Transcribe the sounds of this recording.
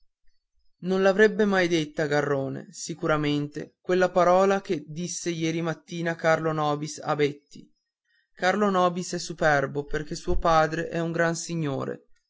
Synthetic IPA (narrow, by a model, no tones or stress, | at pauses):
nõnlavɾɛbːemajd̪et̪ːaɡarːoːnḛsikuɾament̪ḛkwelːapaɾɔːlak̟ed̪isːejɛːɾimat̪ːiːnakarlonɔːbisa̰bɛt̪ːḭ | karlonɔːbisɛsːupɛrboperk̟esuːopaːd̪ɾeʔɛuŋɡɾansiɲːo̰ːɾḛ